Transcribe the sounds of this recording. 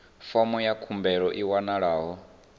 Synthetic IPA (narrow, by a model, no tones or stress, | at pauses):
fɔmɔjakʰumbɛɺɔʔiwanaɺaːɦɔ